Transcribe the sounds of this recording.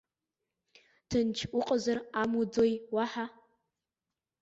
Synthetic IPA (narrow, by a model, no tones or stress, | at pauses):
tʰɨnt͡ʃʰuqʼəzaramud͡zojwaħa